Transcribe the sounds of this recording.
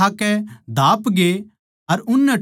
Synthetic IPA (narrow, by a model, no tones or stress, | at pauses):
aːkɛd̪ʱaːpɡe | ɐɾʊnːɛ